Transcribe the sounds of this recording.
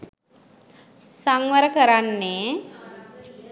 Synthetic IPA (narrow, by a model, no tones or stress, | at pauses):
saŋʋəɾəkəɾanːeː